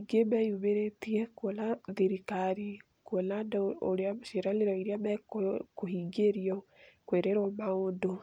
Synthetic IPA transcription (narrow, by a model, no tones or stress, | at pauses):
ɡemɛjuβeɾetiɛkolaðeɾikaɾi | kolandoɾeaʃeɾaleɾɔiɾeamɛkkohiɡeɾiɔkweɾeɾɔmaondo